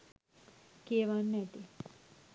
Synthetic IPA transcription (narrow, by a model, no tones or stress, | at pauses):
keʋanːɛt̪i